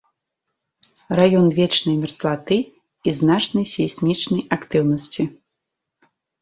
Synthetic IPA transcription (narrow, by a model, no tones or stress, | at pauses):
rajɔnvʲɛt͡ʂnɐjmʲɛrslˠat̪ɨ | iznat͡ʂnɐjsʲisʲmʲit͡ʂnɐjakt̪ɨwnɐsʲt͡sʲi